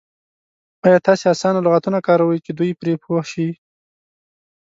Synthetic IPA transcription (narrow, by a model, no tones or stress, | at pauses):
ɑjɑt̪ɑseasɑnalʊɣat̪unakɑɾawəjt͡ʃed̪ujpɾepʰoʃi